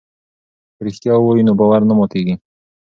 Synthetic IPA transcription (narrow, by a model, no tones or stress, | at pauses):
pɾɪxt̪jɑwojinobɑwaɾnamot̪eɡi